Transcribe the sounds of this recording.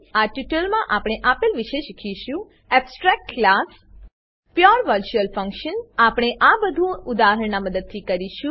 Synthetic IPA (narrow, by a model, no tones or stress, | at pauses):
aʈiʈəlmãʔapɽ̃eʔapɪlʋiʃeʃikʰiʃũ | ɛpsʈɾak̚ʈklas | pjoɾʋəɾt͡ʃuəlfə̃ŋkʃənapɽ̃eʔabəd̪ʱũud̪aɦəɳnaməd̪əd̪̚t̪ʰikəɾiʃũ